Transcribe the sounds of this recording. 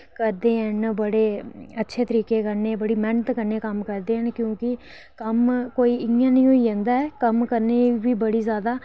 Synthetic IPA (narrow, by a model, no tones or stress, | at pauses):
kəɾd̪eːɦənbəɽeːətːʃʰeːt̪əɾiːkeːkəɾneːbəɽiːmɛɳt̪kəɾneːkəmkəɾd̪eːɦənkjõːkɪ | kəmkoːiːɪjãːnəĩːoːiːd͡ʒɛ̃nd̪aːɛːkəmkəɾneːbiːbəɽiːzjaːd̪aː